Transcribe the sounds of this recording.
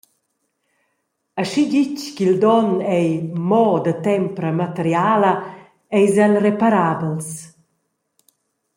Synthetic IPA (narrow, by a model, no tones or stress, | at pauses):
aʃidit͡ʃkild̪ɔnɛjmɔd̪ət̪ɛmpɾəmat̪əɾjaːlə | ɛjzanrepaɾabəls